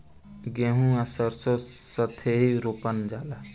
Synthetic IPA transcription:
ɡeɦũasəɾsosət̪ʰeɦiɾopənd͡ʒaːla

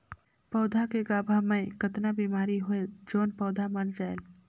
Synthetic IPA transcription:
pɔːd̪ʱakeɡaːbʱamẽkət̪nabiːmaːɾiɦoed͡ʒoːnpɔːd̪ʱaməɾd͡ʒaːel

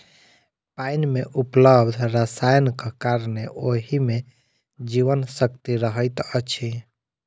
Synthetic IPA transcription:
pajnmeʔupləbd̪ʱɾəsajnkkaɾneʔoɦime | d͡ʒiʋənsəkt̪iɾəɦəjt̪ət͡ʃʰi

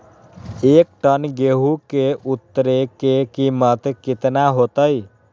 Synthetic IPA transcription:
eːk̚ʈənɡeɦukeʔut̪ːəɾekekimət̪kɪt̪naɦot̪əj

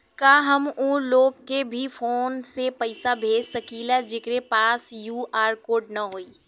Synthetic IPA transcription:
kaːɦɐmũloːɡkebʱifoːnsepɐɪsabʱeːd͡ʒsɐkiːlɛd͡ʒɪkɾepaːsjuːaːɾkoːɖnɐɦoːiː

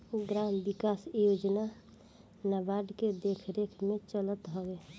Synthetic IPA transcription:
ɡɾambikasjod͡ʒna | nabaɖked̪ekʰɾekʰmẽt͡ʃələt̪ɦɔɡe

